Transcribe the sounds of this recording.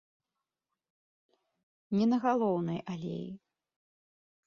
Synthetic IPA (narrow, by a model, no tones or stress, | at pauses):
nʲɛnɐɣalˠɔwnɐjʔalʲḛji